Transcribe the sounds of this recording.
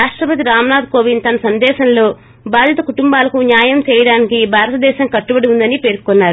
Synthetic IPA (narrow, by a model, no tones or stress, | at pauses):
ɾaːʂʈɾɐpɐt̪iɾaːmɐnaːd̪̚ko̞ːʋint̪ɐnɐsɐnd̪ɛːʃɐnlo̞ː | baːd̪ʱjɐt̪ɐkuʈumbaːlɐkunjaːjɐmt͡ʃɛːjɐɽaːnikibʱaːɾɐt̪ɐd̪ɛːʃɐmkɐʈːubɐɽiund̪ɐnipe̞ːɾkukɔnːaːɾu